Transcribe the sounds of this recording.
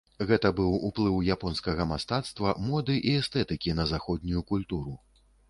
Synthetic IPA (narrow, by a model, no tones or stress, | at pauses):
ɣɛt̪ɐbɨwuplˠɨwjapɔnskɐɣɐmast̪at̪st̪vɐmɔd̪ɨʔiɛst̪ɛt̪ɨkʲinɐzaxɔd̪ʲnʲujukulʲt̪uɾu